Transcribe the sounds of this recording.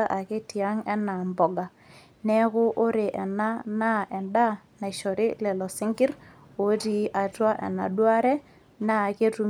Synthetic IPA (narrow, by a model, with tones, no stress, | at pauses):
a˦ʔa˨kɪ˦ti˨a˦ŋɛ˦na˨mbɔ˨ɡa˨ | nɛ˦kʊ˦ʔːɾɪ˨ʔɛ˨na˦na˦ʔɛ˨nda˦na˨ʃɔ˨ɾɪ˦lɛ˨lɔ˨sɪ˦ŋɡɪ˦r | o˨˦ɾi˦ʔa˨twa˦ʔɛ̰˨na̰˨dwa˦ɾɛ˦ | na˦˨ke˦tu˦